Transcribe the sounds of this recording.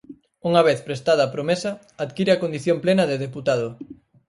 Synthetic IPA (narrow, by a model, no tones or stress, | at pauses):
uŋɐβeθpɾest̪aðɐːpɾomesɐ | aðkiɾeɐkond̪iθjomplenɐðeðeput̪að̞ʊ